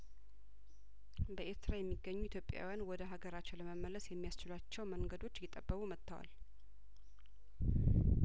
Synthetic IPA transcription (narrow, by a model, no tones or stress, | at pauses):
bəʔeɾt̪ʰɾajɛmːiɡːəɲːuit̪ʰjo̞pʼːja̰wijanwɔd̪əɦaɡəɾat͡ʃːɛləməmːələsjɛmːijast͡ʃɪlat͡ʃːɛwməŋɡəd̪o̞t͡ʃːjɪt̪ʼːəbːəkumət̪ːawa̰l